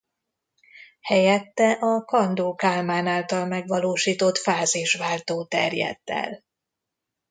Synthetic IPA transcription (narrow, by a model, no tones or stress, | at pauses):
hɛjɛt̪ːɛʔɒkɒnd̪oːkaːlmaːnaːlt̪ɒlmɛɡʋɒloːʃiːt̪o̞t̪faːziʃʋaːlt̪oːt̪ɛ̰rjɛ̰t̪ːɛ̰l